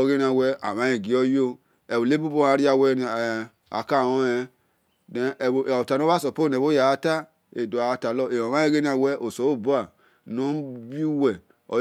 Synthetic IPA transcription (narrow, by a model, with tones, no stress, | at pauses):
ɡe˦n˦a˨wɛ˦a̰˨ma˦je˨ɡi˨˦ɔ˦jo˦ | ɛ˨o˨le˦bu˦bo˦a˨˦ɾi˦a˨wɛ˦n˨ | a̰˨ka˦˨o˦ɛ˨ | de˨˦˨ta˨no˦a˦so˨po˦˨ne˨βo˦ja˨˦ta˦ | e˨do˨a˨˦ta˨lɔ˦e˨o˨ma˦e˦ɡe˦n˦ã˨wɛ˦ʔo˨so˨˦o˦˨bu˦a˨ | no˨˦bi˦wɛ˨ | ɔ̰˨